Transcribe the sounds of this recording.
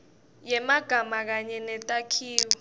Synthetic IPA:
jɛmaɡ̥ʱamak̬aɲɛnɛtʼakʰiːwɔ

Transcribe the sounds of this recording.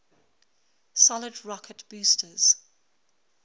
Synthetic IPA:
sɔlədɹɔkʰətb̥uːˑstʰəz̥

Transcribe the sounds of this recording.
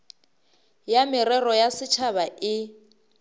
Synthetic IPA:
jamɪɾɛrɔjasɪt͡ʃʰaβaʔɪ

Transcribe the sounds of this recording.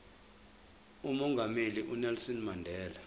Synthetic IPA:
umɔŋɡʱameliʔunɛlsɔnmandʱɛːla

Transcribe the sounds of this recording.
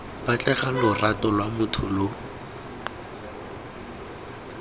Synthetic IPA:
bat͡ɬʼɛɣalʊratɔlwamʊtʰʊlo

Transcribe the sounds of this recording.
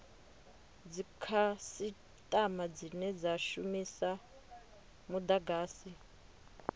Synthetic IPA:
d͡zikʰasi | tʼamad͡zinɛd͡zaʃumisa | mud̪aɡaːsi

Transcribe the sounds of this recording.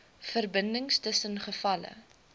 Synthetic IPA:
fərbəndəŋstəsənχəfɐlə̰

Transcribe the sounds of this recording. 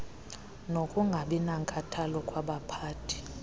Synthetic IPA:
nokʼuŋɡʱaɓinaŋkʼatʰalɔkʼwaɓapʰaːtʰi̥

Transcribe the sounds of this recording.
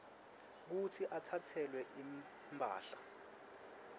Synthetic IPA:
k̬utʰiʔatʰatʰɛlwɛʔim | mbʱa̰ːɬa

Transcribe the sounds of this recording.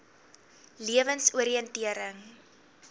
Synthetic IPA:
liəvənsuəɾiəntiəɾəŋ

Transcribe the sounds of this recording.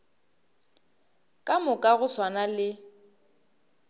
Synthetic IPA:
kʼamʊkʼaɣʊswanalɪ

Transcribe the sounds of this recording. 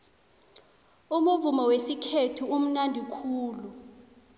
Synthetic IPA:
umuvumɔwesikʰetʰuum̩nandʱikʰuːlu

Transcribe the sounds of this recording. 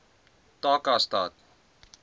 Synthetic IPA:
t̪aːkast̪a̰ːt̪̚

